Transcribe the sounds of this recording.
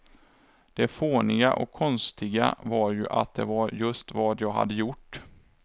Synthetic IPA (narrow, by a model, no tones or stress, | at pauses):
d̪̥ɛfoːnɪɡaʔɔ̰kʰːɔnst̪ɪɡa̰vaɾjɵ̰ʔa̰t̪̚d̪ɛvaɾjɵst̪vɑːd̪jɑːɡɦa̰d̪ːəjʊʈː